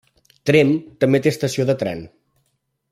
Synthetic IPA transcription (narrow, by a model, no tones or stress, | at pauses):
t̪ɾemt̪əmbet̪eəst̪əsioðət̪ɾɛ̰n